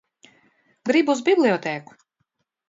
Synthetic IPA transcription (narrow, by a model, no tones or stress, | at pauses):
ɡɾibuuzbiblʲˠiɔt̪ɛːku̥